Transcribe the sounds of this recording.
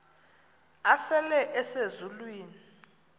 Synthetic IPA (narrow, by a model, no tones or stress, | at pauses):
asɛlɛʔɛsezulwiːni